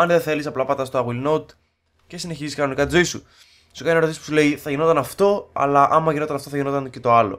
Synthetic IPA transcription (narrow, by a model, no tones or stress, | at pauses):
ɐnðeθe̞lisɐplɐpɐt̪ɐst̪oɐɣwilnot̪ | ce̞sine̞çiziskɐno̞nikɐt̪izo̞isu | su̥kɐnieɾispusule̞iθɐʝinot̪ɐnɐft̪o̞ɐ̰lɐʔɐmːɐʝino̞t̪ɐnɐft̪o̞θɐʝinot̪ɐnce̞t̪o̞ɐlo̞̰